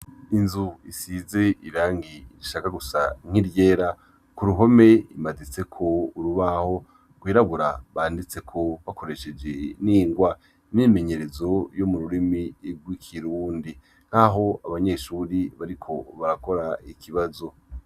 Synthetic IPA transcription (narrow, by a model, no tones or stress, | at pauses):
inzuisize̞iɾaːŋɡiiɾiʃakaɡusaŋ̥iɾje̞ːɾa | kuɾuɦo̞me̞imazit͡se̞kʰo̞uɾuβaho̞ | ɡwiːɾaɡuɾaβaːndit͡se̞kʰo̞βako̞ɾe̞ʃe̞d͡ʒe̞niːŋɡwa | nime̞ɲe̞ɾe̞zo̞jomuɾuɾimiɡwikʰiɾuːndi | ŋ̥haɦo̞aβaɲe̞ʃuːɾiβaɾikʰo̞βaɾako̞ɾaikʰiβazo̞